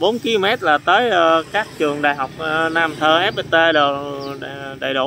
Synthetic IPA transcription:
ɓo˨˦nki˧mɛ˦˥t̚laː˨˩t̪əː˨˦jkaː˦˥k̚t͡ɕɨ˨˩əŋɗa̰ː˨jɦa˨˩wk͡p̚ːnaː˧mt̪ʰəː˧˩ʔɛ˦˥p̚ʔe˧t̪e˧lə˨˩ | ɗa̰˧˩jɗṵ˧˩

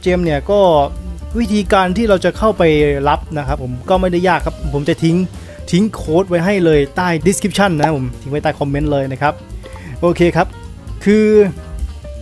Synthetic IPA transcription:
t͡ɕeː˧mni˥˩ɐkɔː˥˩wi˦˥t̪ʰiː˧kaː˧nt̪ʰiː˥˩ɾa˧wt͡ɕa˨˩kʰa˥˩wpa˧jla˦˥p̚na˦˥kʰa˦˥pʰːo˩˦mkɔː˥˩ma˥˩jda˥˩jaː˥˩kʰːa˦˥p̚ʰpʰo˩˦mt͡ɕa˨˩t̪ʰi˦˥ŋ | t̪ʰi˦˥ŋkʰoː˦˥t̪̚wa˧jɦa˥˩jlɤː˧jt̪aː˥˩jdi˦˥skʰɾi˦˥p̚t͡ɕʰa˥˩nːa˦˥pʰo˩˦mt̪ʰi˦˥ŋpa˧jt̪aː˥˩kʰɔ˧mːe˦˥nlɤː˧jna˦˥kʰa˦˥p̚ʔoː˧kʰeː˧kʰa˦˥p̚ | kʰɯː˧

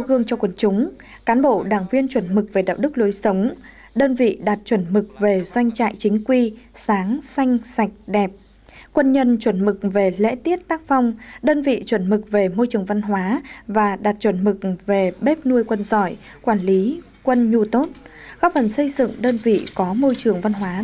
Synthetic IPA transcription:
a˧wɣɨ˧əŋt͡ɕɔ˧kwə˧˩nt͡ɕʊ˨˦ŋ͡m | kaː˨˦nɓo̰˧˨ɗaː˧˩ŋvi˧ənt͡ɕwə˧˩nmɨ˨˩k̚ve˨˩ɗa̰ː˨w̚ɗɨ˦˥k̚lu˨˦jsə˨˦wŋ͡m | ɗəː˧nvḭ˧˨ɗa˨˩t̚t͡ɕwə˧˩nmɨ˨˩k̚ve˨˩zwa˧jŋ̟t͡ɕa̰ː˧˨jt͡ɕï˨˦ŋ̟kwi˧saː˨˦ŋsa˧jŋ̟sa˨˩jk̟̚ɗɛ˨˩p̚ | kwə˧nɲə˧nt͡ɕwə˧˩nmɨ˨˩k̚ve˨˩lḛ˧˥t̪i˦˥ət̚t̪aː˦˥k̚fa˧wŋ͡mɗəː˧nvḭ˧˨t͡ɕwə˧˩nmɨ˨˩k̚ve˨˩mo˧jt͡ɕɨ˨˩əŋva˧nɦwaː˨˦vaː˨˩ɗa˨˩t̚t͡ɕwə˧˩nmɨ˨˩k̚ve˨˩ɓe˦˥p̚nu˧əjkwə˧nzɔ˧˩j | kwaː˧˩nli˨˦ | kwə˧nɲu˧t̪o˦˥t̚ | xɔ˦˥p̚fə˨˩nsə˧jzɨ̰˧˨ŋɗəː˧nvḭ˧˨kɔ˨˦mo˧jt͡ɕɨ˨˩əŋva˧nɦwaː˨˦

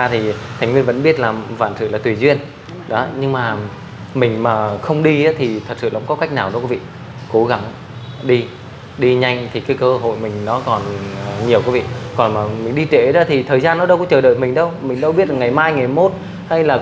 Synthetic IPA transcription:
aː˧t̪ʰi˨˩t̪ʰa˨˩ŋ̟vi˧ənvə̰˧˥nɓi˦˥ət̚laː˨˩mva̰ː˧˨nsɨ̰˧˨laː˨˩t̪wi˨˩zwi˧ən | ɗɔ˨˦ɲɨ˧ŋmaː˨˩ | mï˨˩ŋ̟maː˨˩xə˧wŋ͡mɗi˧a˨˦t̪ʰi˨˩t̪ʰə˨˩t̚sɨ̰˧˨ʔə̰˧˥wŋ͡mkɔ˨˦ka˦˥jk̚naː˨˩wɗɔ˨˦kwvḭ˧˨ | ko˨˧˦ɣa˧˩ŋ | ɗi˧ | ɗi˧ɲa˧jŋ̟t̪ʰi˨˩kaː˨˦jkəː˧ɦo̰˧˨jmï˨˩ŋ̟nɔ˨˦kɔ˨˩n˨˩ɲi˨˩əwkwvḭ˧˨kɔ˨˩nmaː˨˩mï˨˩ŋ̟ɗi˧t͡ɕe˧˩ɗɔ˨˦t̪ʰi˨˩t̪ʰəː˨˩jzaː˧nːɔ˨˦ɗə˧wkɔ̰˧˥ŋ͡mt͡ɕəː˨˩ɗə̰˧˨jmï˨˩ŋ̟ɗə˧wmï˨˩ŋ̟ɗə˧wɓi˦˥ət̚laː˨˩ŋa˨˩jmaː˧jŋa˨˩jmo˦˥t̚ | ha˧jlaː˨˩

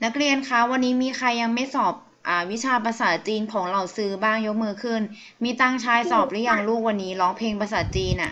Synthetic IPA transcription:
na˦˥k̚ɾi˧ənkʰa˦˥wa˧nːiː˦˥miː˧kʰa˧jːa˧ŋma˥˩jsɔː˨˩p̚ | ʔaː˨˩wi˦˥t͡ɕʰaː˧pa˧saː˩˦t͡ɕiː˧nkʰɔː˩˦ŋɾa˧˩wsɯː˧baː˥˩ŋjo˦˥k̚mɯː˧kʰɯ˥˩n | miː˧t̪aː˧˩ŋt͡ɕʰaː˧jsɔː˨˩p̚lɯ˦˥ja˧˩ŋluː˥˩k̚wa˧nːiː˦˥lɔː˦˥ŋpʰeː˧ŋpɾa˧s̬aː˩˦˥t͡ɕiː˧nʔa̰˨˩ʔ

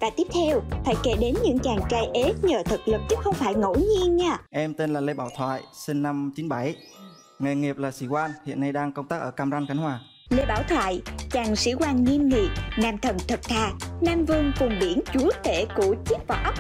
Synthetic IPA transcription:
vaː˨˩t̪i˦˥əp̚t̪ʰɛ˧wfaː˧˩jke˧˩ɗe˨˦nɲɨ̰˧˥ŋt͡ɕaː˨˩ŋt͡ɕaː˧jʔe˨˦ɲəː˨˩t̪ʰɨ˨˩k̚lɨ˨˩p̚t͡ɕɨ˦˥xə˧wŋ͡mfaː˧˩jŋo̰˧˥ɲi˧ənɲaː˧ʔɛ˧mt̪e˧nlaː˨˩le˧ɓa̰ː˧˩wt̪ʰwa̰ː˧˨jsi˧nːa˧mt͡ɕi˨˦nɓa˧˩j | ŋa˨˩jŋi˨˩əp̚laː˨˩sḭ˧˩kwaː˧nhḭ˧˨ənːa˧jɗaː˧ŋkə˧wŋ͡mt̪aː˦˥k̚ʔəː˧˩kaː˧mza˧ŋkxa˨˧˦ŋ̟hwaː˨˩ | le˧ɓaː˧˩wt̪ʰwa̰ː˧˨jt͡ɕaː˨˩ŋsḭ˧˩kwaː˧˩nŋi˧əmŋi˨˩əp̚naː˧mt̪ʰə˨˩nt̪ʰə˨˩t̚t̪ʰaː˧˨˩k̚naː˧mvɨ˧əŋkʊ˨˩ŋ͡mɓi˧˩ənt͡ɕu˨˦ət̪e˧˩ku˧˩t͡ɕi˦˥ək̚vaː˨˩ʔə˦˥wk͡p̚

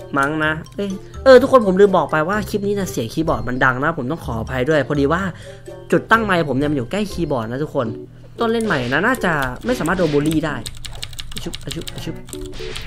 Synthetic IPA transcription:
ma˦˥ŋna˦˥ʔɤː˧˩ʔɤː˧t̪ʰu˦˥kʰːo˧npʰo˩˦mlɯː˧mbɔː˨˩k̚pa˧jwaː˥˩kʰi˦˥p̚niː˦˥na˧˥˩si˨˩˦kʰiː˧˥bɔː˨˩t̪̚ma˧nda˧ŋna˦˥pʰo˩˦mt̪ɔ˥˩ŋkʰɔː˩˦˨pʰa˧jdu˥˩əjpʰɔ˧diː˧waː˥˩ | t͡ɕu˨˩t̪ːa˥˩ŋma˧jpʰo˩˦mni˧˩˨m˧njuː˨˩˦kɛː˥˩jkʰiː˧bɔː˨˩na˦˥t̪ʰu˦˥kʰo˧n | t̪o˥˩˨nle˥˩nma˨˩jʔa˨˩na˦˥naː˥˩t͡ɕa˨˩ma˥˩jsaː˨˦maː˥˩t̪doː˧boː˧liː˥˩daː˥˩ja˧˩u˦˥p̚a˧˩t͡ɕʰp̚ʔa˧˩t͡ɕʰu˦˥p̚

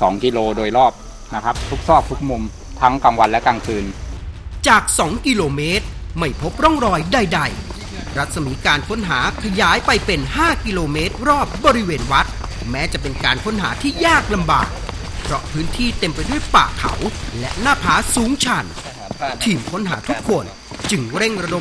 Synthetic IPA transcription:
sɔː˩˦ŋki˧loː˧doː˧jɾɔː˥˩p̚ | na˦˥kʰa˦˥p̚t̪ʰu˦˥k̚sɔː˥˩k̚t̪ʰu˦˥k̚mu˧m | t̪ʰa˦˥ŋkaː˧ŋwa˧nlɛ˦˥kaː˧ŋkʰɯː˧n | t͡ɕaː˨˩k̚sɔː˨˩˦ŋki˧loː˧meː˦˥t̪̚ma˥˩jpʰo˦˥p̚ɾɔ˥˩ŋɾɔː˧jda˧jda˧j | ɾa˦˥t̪̚sa˧miː˩˦kaː˧nkʰo˦˥nɦaː˩˦kʰa˧jaː˩˦jpa˧jpe˧nhaː˥˩ki˧loː˧meː˦˥t̪̚ɾɔː˥˩p̚bɔː˧ɾi˦˥weː˧nwa˦˥t̪̚ | mɛː˦˥t͡ɕa˨˩pe˧nkaː˧nkʰo˦˥nɦa̰ː˩˦t̪ʰiː˥˩jaː˥˩k̚la˧mba̰ː˨˩k̚ | pʰɾɔ˦˥ʔpʰɯː˦˥nt̪ʰiː˥˩t̪e˧mpa˧jdu˥˩əjpa̰ː˨˩kʰa̰˩˦wlɛ˦˥ʔnaː˥˩pʰaː˦˥suː˩˦ŋt͡ɕʰa˧n | t̪ʰiː˧˩mkʰo˦˥nɦa̰ː˩˦t̪ʰu˦˥kʰːo˧n | t͡ɕɯ˧ŋɾe˥˩ŋɾa˧do˧˦

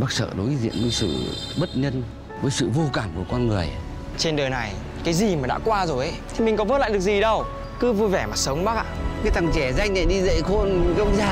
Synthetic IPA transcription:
ɓaː˦˥k̚sə̰ː˧˩ɗo˨˦jzḭ˧˥ənvəː˨˦jsɨ̰˧˨ | ɓə˦˥t̚ɲə˧n | vəː˨˦jsɨ̰˧˨vo˧kaː˧˩mku˧˩əkɔ˧nŋɨ˨˩əj | t͡ɕe˧nɗəː˨˩na˨˩j | kaː˨˦jzi˨˩maː˨˩ɗa̰ː˧˥kwaː˧zo˨˩jʔə˨˦t̪ʰi˨˩mi˨˩kɔ˨˦vəː˦˥t̚la̰ː˧˨jɗɨ˨˩ək̚zi˨˩ɗə˧w | kɨ˨˦vu˧jvɛ˧˩maː˨˩sə˨˦wŋ͡mɓaː˦˥k̚ʔa̰ː˧˨kaː˨˦jt̪a˨˩ŋt͡ɕɛ˧˩za˧jŋ̟na˧˨jɗi˧zə̰˧˨jxo˧nkə˧wŋ͡mzaː˧

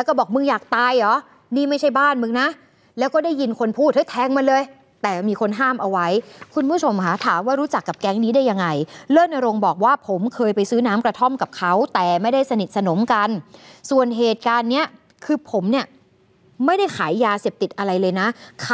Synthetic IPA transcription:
lɛː˧˦˥wkɔː˥˩bɔː˨˩k̚mɯ˧ŋjaː˨˩k̚t̪aː˧jlɔː˨˦ | niː˥˩ma˥˩jt͡ɕʰa˥˩jbaː˥˩nmɯ˧ŋna˦˥ʔ | lɛː˦˥wkɔː˥˩da˥˩jːi˧nkʰo˧npʰuː˥˩t̪̚ha˦˥˩jt̪ʰɛː˧ŋma˧nlɤː˧j | t̪ɛː˨˩miː˧kʰo˧nɦaː˥˩mʔa˧wa˦˥jkʰu˧nbʰu˥˩o˧mkʰa˦˥t̪ʰaː˩˦mwaː˥˩ɾuː˦˥t͡ɕa˨˩kːa˨˩p̚kɛ˦˥ŋniː˦˥daː˥˩ja˧ŋːa˧jlɤː˥˩nʔa˧ɾo˧ŋbɔː˨˩k̚waː˥˩pʰo˩˦mkʰɤː˧jpa˧jsɯː˦˥naː˦˥mkɾa˧t̪ʰo˥˩mka˨˩p̚kʰa˦˥wt̪ɛː˨˩ma˥˩jda˥˩jsa˧ni˨˩t̪̚sa˧no˩˦mka˧nsu˨˩ənɦeː˨˩t̪̚kaː˧nːi˦˥ɐ | kʰɯː˧pʰo˩˦mni˥˩ɐ | ma˥˩jda˥˩jkʰaː˩˦jːaː˧seː˨˩p̚t̪i˨˩t̪̚ʔa˧ɾa˧jlɤː˧jna˦˥kʰ

